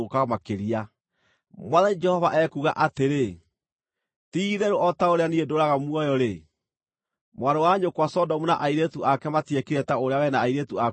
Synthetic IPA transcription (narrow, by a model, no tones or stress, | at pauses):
okaɣamakeɾia | mwaðaid͡ʒɛhɔvaʔɛkuɣa̰ʔateɾe | tiðɛɾoɔtaoɾeaniedoɾaɣamwɔjɔɾe | mwaɾowaɲokwasɔdɔmuna̰ʔaiɾetuʔakɛmatiekiɾɛtaoɾeawɛnaːiɾetua